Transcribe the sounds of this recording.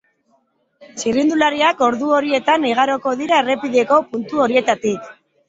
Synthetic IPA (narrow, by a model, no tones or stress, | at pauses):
sirind̪ulaɾiako̞ɾðuo̞ɾie̞t̪aniɣ̞aɾo̞ko̞ðiɾaere̞piðe̞ko̞punt̪uo̞ɾie̞t̪at̪ik